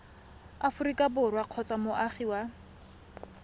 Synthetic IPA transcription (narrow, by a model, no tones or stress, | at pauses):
afʊɾikʼabʊrwaq͡χʰɔt͡sʼamʊʔaχiwa